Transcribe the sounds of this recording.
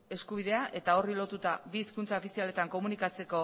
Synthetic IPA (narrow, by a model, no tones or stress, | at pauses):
e̞skuβiðe̞aʔe̞t̪ao̞rilo̞t̪ut̪aβiːskunt͡saofisiale̞t̪aŋko̞munikat͡se̞ko̞